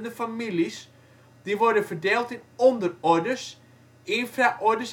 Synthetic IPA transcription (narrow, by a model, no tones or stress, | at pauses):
ndəfamilis | d̥iʋɔɹdənfərdeːlˠtɪnɔndərɔɹdəs | ɪːnfraʔɔɹdəs